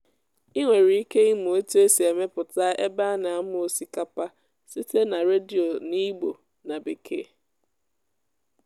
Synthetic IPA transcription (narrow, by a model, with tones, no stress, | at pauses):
i˦ŋʷe˨ɾi˨˦i˦ke˦i˦m˨e˦tu˦e˦si˨e˨me˦pʊ˨ta˦ʔe˦ba˦na˨a˦m˦o˨si˦ka˦pa˦ | si˦te˦na˨ɾe˦di˨o˨ni˦ɡ͡bo˨ | na˨be˨kʰḛː˦˨